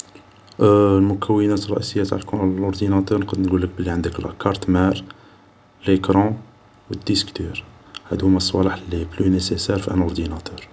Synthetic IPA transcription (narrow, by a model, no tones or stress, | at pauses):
lmʊkʰæwːənæt̪rˤːɑ̰ʔisəjːæt̪aʕlklʊɾd̪inɑt̪əɾnqəd̪nɡulːək̚bəlːiʕənd̪əklʔkɑɾˤt̪mæɾ | lekɾɑ̃ | wəd̪ːiskt̪yɾhæ̰d̪hʊmæsˤːwɑ̰lɑħlːiblynesesæɾfʔæ̰nʊɾd̪inɑt̪œɾ